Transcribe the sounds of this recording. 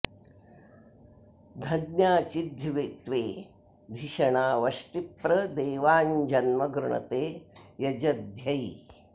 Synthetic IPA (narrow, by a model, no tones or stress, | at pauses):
d̪ʱɐnjaːt͡ʃid̪ʱːiʋet̪ʋeː | d̪ʱiʃɐɳaːʋɐʃʈipɾɐd̪eːʋaːnd͡ʒɐnmɐɡɾuɳɐ̰t̪eːjɐd͡ʒɐd̪ʱjɐj